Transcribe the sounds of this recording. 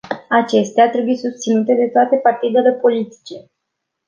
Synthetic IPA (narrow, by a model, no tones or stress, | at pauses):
at͡ʃe̞st̪eat̪ɾe̞bujesust̪sinut̪e̞d̪e̞t̪oat̪e̞part̪id̪e̞le̞po̞lit̪i̥t͡ʃe̞